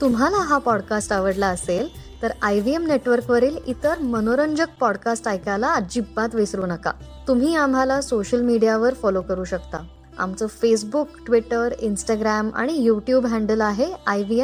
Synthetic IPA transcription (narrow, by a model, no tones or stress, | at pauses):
t̪um̤ʱalaɦapɔɽkasʈaʋəɽlaəselt̪əɾajʋiemneʈʋəɾkʋəɾiːlit̪əɾmənoɾəɲd͡ʑək̚pɔɽkasʈajkalaːd͡ʑibːat̪ʋesɾuːnəka̰t̪um̤iːamɦalasoɕəlmiɽijaʋəɾfɔlokəɾuːɕəkt̪a | a̰mt͡səːfes̬bukʈʋiʈəɾinsʈaɡɾama̰ɽ̃ijuʈjuːbɦɛ̃ɳɖəlaɦeajʋiem